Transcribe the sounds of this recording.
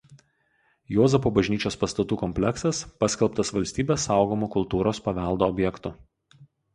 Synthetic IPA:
joːzɛpoːbɐʒʲnʲiːt͡ʃʲoːspɐst̪ɐt̪uːkɔmʲpʲlʲɛksɐspɐsʲkʲɛlˠpt̪ɐsʋɐlʲsʲt̪ʲiːbʲeːsːɑˑʊɡoːmoːkʊlˠt̪uːɾoːspɐʋʲɛˑlˠd̪oːɔbʲjɛkt̪ʊ

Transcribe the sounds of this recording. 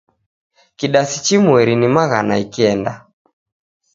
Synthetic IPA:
kiɗasit͡ʃimwɛɾinimaɣa̰na̰ikiɛnda

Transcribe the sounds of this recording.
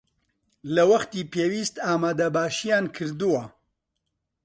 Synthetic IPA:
lɐwɐxt̪iːpeːwiːst̪aːmaːd̪ɐbaːʃijaːnkʰɨɾd̪uwɐ

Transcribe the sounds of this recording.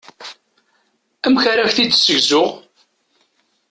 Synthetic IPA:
æmçaɾæçθid̪səʝzʊʁ

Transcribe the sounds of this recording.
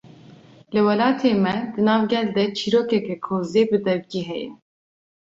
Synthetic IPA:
lɨwɛlɑːt̪ʰeːmɛd̪ɨnɑːvɡʲɛld̪ɛt͡ʃʰiɾoːkɛkɛkʰoːzeːbɨd̪ɛvkiːɦɛjɛ̰

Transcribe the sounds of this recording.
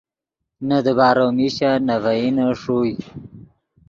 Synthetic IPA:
nad̪əbɑːɾomiɕanavainaʂuj

